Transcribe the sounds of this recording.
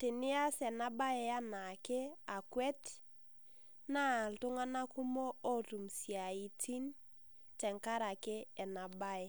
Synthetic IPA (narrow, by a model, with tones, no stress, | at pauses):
tɪ˨nɪ˦a˦sɛ˨na˦ba˦ɛ˨a˦na˨ke˦a˨kwɛ˦t | na˦˨ltʊ˦ŋa˦na˦ku˦mo˦o˦tu˨msi˨a˨i˨tʰi˦n | tɛ˨ŋka˦ɾa˨kɪ˦ɛ˨na˨ba˦ɛ˦